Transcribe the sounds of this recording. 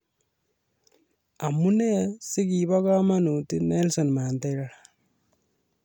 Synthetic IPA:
amunesiɡibɔɡamanut̪inelsɔnmaːnt̪ajɾaɽa

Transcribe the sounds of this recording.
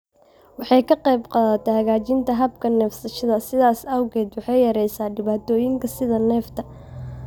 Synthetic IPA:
wɑħɑjkʰɐqɛjbqɑːðɐt̪ʰɛhɐɣaːt͡ʃɪnt̪ʰɐɦɐbkʰɐnɛːfsɐʃɐðɐsɪðaːsɐwɣɛːd̪wɑħɑjjɐɾɛjsaːɖɪβaːt̪ʰɔːjɪŋkʰɐsɪðɐnɛːft̪ʰɐ

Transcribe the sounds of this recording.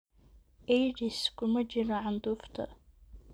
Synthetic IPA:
ʔɛjdɪskʰʊmɐt͡ʃɪɾɐʕɑnd̪uːft̪ʰɐ̰

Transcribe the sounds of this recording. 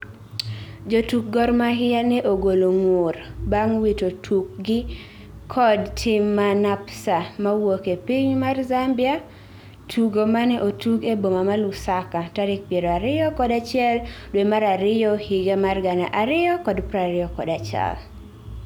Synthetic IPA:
d͡ʒotuk̚ɡɔɾmaɦɪjanɛʔoɡoloŋworbaŋwitotʰuk̚ɡɪ | kʰɔdtʰɪmːanapsamawokepiɲmarzambɪa | tʰuɡomanɛʔotuɡebomamalʊsakataɾɪk̚pjeɾoaɾɪjɔkɔdat͡ʃɪɛldwemaɾaɾɪjɔhiɡamarɡanaʔaɾɪjɔkɔdpɾaɾɪjɔkɔ̰dat͡ʃa̰l

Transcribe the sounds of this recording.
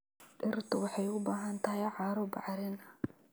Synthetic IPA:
ɗɪrt̪ʰʊwɑħɑjʊbaːɦɐnt̪ʰɐɦjʕɑːɾɔbɑ̰ʕɾɪnɐ

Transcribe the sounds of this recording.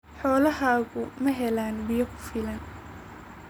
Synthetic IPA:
ħɔːlɐɦaːɣʊmɐɦɛlaːnbɪjɐkʰʊ̥fɪlɐn

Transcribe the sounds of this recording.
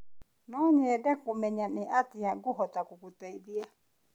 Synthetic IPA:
nɔɲɛdɛkumɛɲaniʔat̪ijaɡuɦɔt̪akukut̪ɛiðia

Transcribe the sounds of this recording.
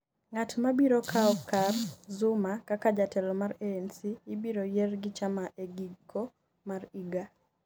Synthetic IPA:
ŋatmabiɾokʰaɔkarzʊmakakad͡ʒatɛlɔmaɾeːnsiːbiɾojerɡɪt͡ʃamaʔeɡiɡːo | mariɡa

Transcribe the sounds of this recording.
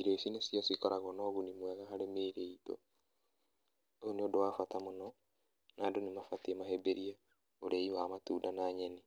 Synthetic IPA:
iɾeisinesjɔsikɔɾʔaɣɔnɔɣunimwɛɣaɦaɾemeːɾeito̰ | ooneodowaːfatamonɔ | naːdonemafatiemahebeɾia | oɾʔeiwamatuːdanaːɲɛni

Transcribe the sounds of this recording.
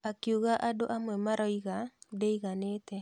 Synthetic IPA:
akjuɣaʔadoʔamwɛmaɾɔiɣadeiɣanet̪e

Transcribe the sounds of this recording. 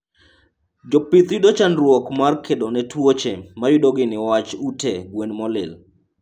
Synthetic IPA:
d͡ʒɔpɪt̪jʊdot͡ʃanɾwɔkmarkʰedonɛtwot͡ʃemajʊdoɡɪnɪwat͡ʃuteɡwenmɔlɪ̰l

